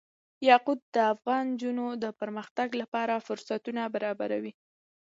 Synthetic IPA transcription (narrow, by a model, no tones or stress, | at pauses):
jɑqud̪̚d̪əafɣɑnd͡ʒunod̪əpəɾməxt̪aɡlapɑɾafʊɾsat̪unabaɾɑba̰ɾa̰wi